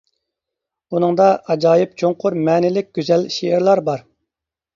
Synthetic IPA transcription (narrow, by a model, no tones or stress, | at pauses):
unɨŋd̪ɑʔɑd͡ʒɑːjɪp̚t͡ʃʰoŋqʰʊɾmɛːnɪlɪk̚ʲɡ̥ʲyzɛlʃeɪɾlˠɑɾbɑɾ